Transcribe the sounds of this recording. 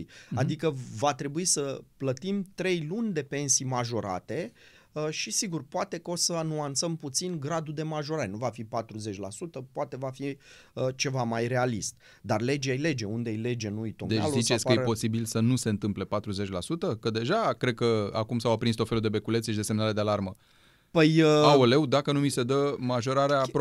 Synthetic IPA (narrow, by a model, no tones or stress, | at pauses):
jad̪ikəvat̪ɾe̞buisəplət̪imt̪ɾe̞jlunʲd̪e̞pe̞nsijmaʒo̞ɾa̰t̪e̞ | ʃisiɡurpoat̪e̞kəo̞səanuant̪səmput̪sinɡɾad̪ud̪e̞maʒo̞ɾaɾenuvafipat̪ɾuze̞t͡ʃʲlasut̪əpoat̪e̞vafi | ət͡ʃe̞vamajɾe̞alist̪̚ | d̪arle̞d͡ʒeajle̞d͡ʒe̞und̪eejle̞d͡ʒe̞nuujt̪od̪et͡ʃalzit͡ʃesʲkəjepo̞sibilsənuse̞ɨnt̪ɨmple̞pat̪ɾuze̞t͡ʃʲlasut̪əkəd̪e̞ʒakɾe̞d̪̚kəa̰kumsawapɾinst̪ofelud̪e̞be̞kule̞t̪seʃid̪e̞semnale̞d̪ealarmə | pəjaole̞wd̪akənumise̞d̪əmaʒo̞ɾaɾea